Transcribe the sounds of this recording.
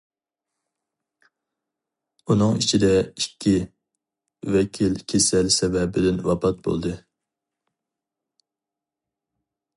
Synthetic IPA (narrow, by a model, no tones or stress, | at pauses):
unɨŋit͡ʃʰid̪ɛikʲʰːi | vɛkʲʰilkʲʰesɛlsɛvɛbɪd̪ɪnwɑpʰɑt̪̚bo̰lˠd̪ɨ